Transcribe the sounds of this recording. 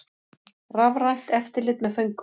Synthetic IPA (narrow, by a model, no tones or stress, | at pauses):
ravɾajn̥t̪ɛft̪ɪɾlɪt̪mɛfœŋk